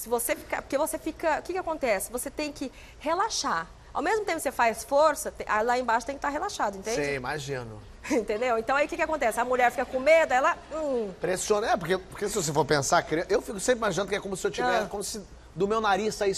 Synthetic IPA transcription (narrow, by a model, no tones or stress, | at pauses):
sɪvosefi̥ka̰poɾkevosefikɐʊkɪkɪakõnt̪ɛsɪ̥voset̪ẽj̃kɪ | helaʃaɾ | a̰wmezmʊt̪ẽpʊksefajsfoɾsɐt̪eʔalaẽbaʃʊt̪ẽjkɪt̪aɾɦelaʃad̪ʊẽnt̪ẽid͡ʒ̃ɪ̃imaʒĩnʊ̰ | ẽt̪ẽnd̪ewẽnt̪ɐ̃w̃aiʊkɪkɪakõnt̪ɛsɪɐmuʎɛɾfikɐkõmed̪ʊɛlɐ̃pɾesiõnɐɛpoɾkepoɾkesɪvos̬efoɾpẽsakɾiẽʔewfikʊsẽpɾɪimaʒinɐ̃d̪ʊkɪɛkõmʊsɪewt͡ʃivɛɾkõmʊsɪ | d̪ʊmewnaɾisai